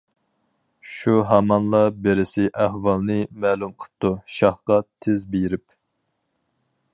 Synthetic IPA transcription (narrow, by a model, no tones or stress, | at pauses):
ʃuɦɑmɑnlˠɑbeɾɪsɪʔæhwɑlˠnɨmæːlumqʰə̥t̪ːuʃɑhqɑt̪ʰɪzbejiɾɪp